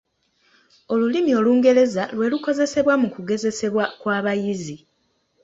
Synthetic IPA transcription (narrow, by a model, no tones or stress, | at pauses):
o̞lulimio̞luːŋɡe̞le̞zalwe̞ːluko̞ze̞se̞βwamukuɡe̞ze̞se̞βwakwaːβajizi